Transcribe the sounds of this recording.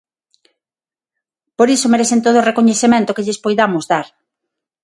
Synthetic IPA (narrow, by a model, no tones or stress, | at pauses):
poɾisomeɾeθent̪oð̞oːrekoɲeθemẽnt̪ʊkeʎespojðamozðaɾ